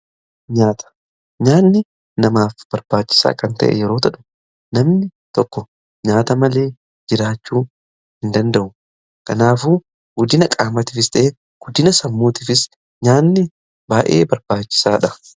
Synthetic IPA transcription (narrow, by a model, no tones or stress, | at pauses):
ɲaːt̪ʰɐ̥ | ɲaːnːɪ | nɐmaːfb̥ɐɾb̥aːt͡ʃːɪ̥sa̰ːkɐnt̪ɐ̰ʔɛ̰jɛɾo̞ːt̪ɐᶑʊ̥ | nɐmnɪ | t̪ɔkːɔ | ɲaːt̪ɐmɐle̞ː | d͡ʒɪɾaːt͡ʃːuː | hɪnd̪ɐnd̪ɐʔʊ | kɐnaːfuː | ɡɔd̪ɪnɐkʼaːmɐt̪ɪfɪst̪ɐʔe | ɡ̥ɔd̪ɪnɐsɐmːuːt̪ɪfɪs | ɲaːnːɪ | baːʔḛːbɐɾb̥aːt͡ʃːɪ̥saːᶑɐ